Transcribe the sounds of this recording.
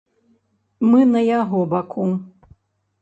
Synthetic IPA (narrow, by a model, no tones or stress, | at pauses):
mɨnɐjaɣɔbakʰum